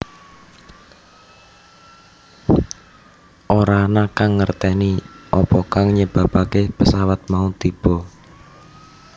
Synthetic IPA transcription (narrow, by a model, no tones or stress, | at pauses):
ʔoɾanakaŋːərt̪ɛniʔɔpɔkaŋɲəb̥a̤b̥akepəsawat̪̚maut̪ib̥ɔ̤